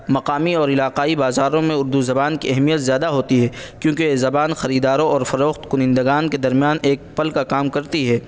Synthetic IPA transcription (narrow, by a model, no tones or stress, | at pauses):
mɐqaːmiɔːɾɪlaːqaːibaːzaːɾõmẽʊɾd̪uzɐbaːnkiɛɦmijət̪zjaːd̪aɦoːt̪iɦɛːkjõːkezɐbaːnxɐɾiːd̪aːɾõɔːɾfɐɾoːxt̪kʊnɪ̃nd̪ɐɡaːnked̪ɐɾmijaːneːk̚pɐlkakaːmkɐɾt̪iɦɛː